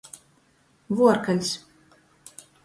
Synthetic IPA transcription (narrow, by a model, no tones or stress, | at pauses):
vuɔɾkalʲs